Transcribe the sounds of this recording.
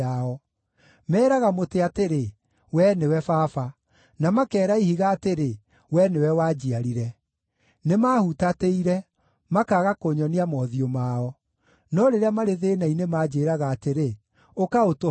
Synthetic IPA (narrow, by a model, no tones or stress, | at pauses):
aɔ | mɛːɾaɣamoteateɾe | wɛnewɛfaːfa | namakɛːɾaihiɣaːteɾe | wɛnewɛwaːd͡ʑiaɾiɾɛ | nemaːhutateiɾɛ | makaɣakoɲɔneamɔðiomaːɔ | nɔɾeɾeamaɾeðeːnainemaːd͡ʑeːɾaɣaːteɾe | okaoto